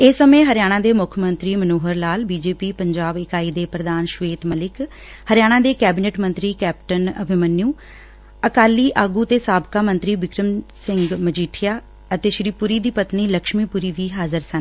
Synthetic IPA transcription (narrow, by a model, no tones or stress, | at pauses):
eːsəmẽːɦəɾɪjaːɽ̃ãːd̪eːmʊkʰmə̃nt̪ɾiːmənoːɦəɾlaːlbiːd͡ʒeːpiːpəɲd͡ʒaːbɪkaːiːd̪eːpɾəd̪aːnʃʋeːt̪məlɪk | həɾɪjaːɽ̃ãːd̪eːkɛːbɪneːʈmə̃nt̪ɾiːkɛːpʈənəbʱɪmənːjũː | əkaːliːʔaːɡuːət̪eːsaːbkaːmənt̪ɾiːʋɪkɾəmsɪ̃ŋɡməd͡ʒiːʈʰɪjaː | ət̪eːʃɾiːpuɾiːd̪iːpət̪niːləkʃmiːpuɾiːʋiːɦaːzəɾsən